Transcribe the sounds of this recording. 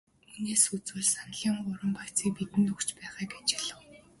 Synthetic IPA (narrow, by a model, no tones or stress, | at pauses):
uneːsut͡swɘ̆ːɮsanɮiːɴɢʊɾə̆mpakt͡siːk̚pit̪ɘ̆nt̪ɵkt͡ɕpæːʁaːɡet͡ɕɪɮə̆w